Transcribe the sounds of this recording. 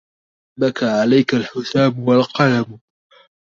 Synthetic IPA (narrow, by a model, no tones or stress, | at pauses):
bakaʕalajkalħʊθaːmwalqɑlam